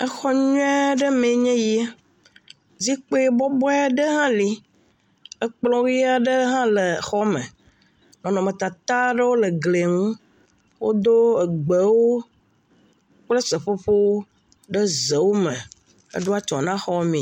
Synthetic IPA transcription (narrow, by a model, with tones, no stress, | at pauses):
ə˦xɔ˦ɲũ˦ɛ˦ɖə˦mẽ˨˦ɲɛ̃˦ji˦e˦ | zi˦k͡pe˦bɔ˦bɔ˦a˦ɖə˦ɦã˦li˦ | ə˦k͡plɔ̃˦wja˦ɖə˦ɦã˦le˨xɔ˦mə̰̃˨ | nɔ̃˨nɔ̃˨mə̃˨t̪a˨t̪a˦ɖə˦wo˦lə˨ɡle˨ŋũ˦ | wo̰˦d̪o˦ə˨ɡ͡be˨wo˦ | k͡plə˦sə˨ɸo˦ɸo˦ | ɖə˦zə˨wo˦mə̃˨ | ə̰˦ɖo˦a˦t͡ʃɔ̰̃˨nã˦xɔ˦mĩ˨